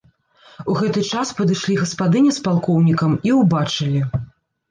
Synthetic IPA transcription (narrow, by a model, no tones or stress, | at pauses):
uɣɛt̪ɨt͡ʂaspɐd̪ɨʂlʲiɣɐspad̪ɨnʲɛspalˠkɔwnʲikɐmiwbat͡ʂɨlʲi